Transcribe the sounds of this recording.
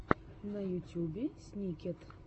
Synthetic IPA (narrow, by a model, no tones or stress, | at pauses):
nɐjutʲjubʲesʲnʲikʲɛt̪